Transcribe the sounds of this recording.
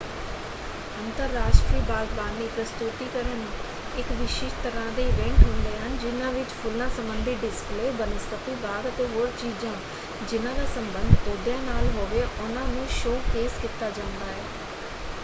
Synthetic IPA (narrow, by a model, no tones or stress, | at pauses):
ənt̪əɾːaːʃʈɾiːbaːɡ̪baːnːiːpɾəst̪ʊt̪iːkəɾənː | ɪkʋɪʃeːʃt̪əɾãːd̪eːʋɛ̃ːŋkɦʊnd̪eːɦənd͡ʒɪnãːʋɪt͡ʃpʰʊlnãːsəmbənd̪ʱiɖɪspleːbənəst̪ət̪iːbaːɡ̪ət̪eːɦoːɾt͡ʃiːd͡ʒãː | d͡ʒɪnãːd̪aːsəmbənd̪ʱoːd̪jãːnaːlɦoʋeːʔʊnãːnũːʃoːkeːskit̪ːaːd͡ʒãːnd̪aːɦɛː